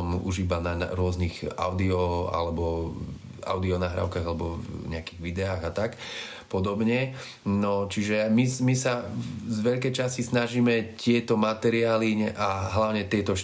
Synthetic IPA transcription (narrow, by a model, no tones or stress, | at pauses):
mṵʒibanaa̰ɾʊɔzniɣa̰ʊd̪iɔa̰lɛbɔ | a̰ʊd̪iɔnaɦɾa̰ːʊkaːɣalɛbɔɲɛakiɣʋid̪ɛaːɣat̪ak | pɔd̪ɔbɲɛ | nɔt͡ʃiʒɛmimisazʋɛʎkɛjt͡ʃascisnaʒiːmɛt̪ɪɛt̪ɔmat̪ɛɾiaːliɛʔaɦlaʊɲɛt̪ɪɛt̪ɔʃ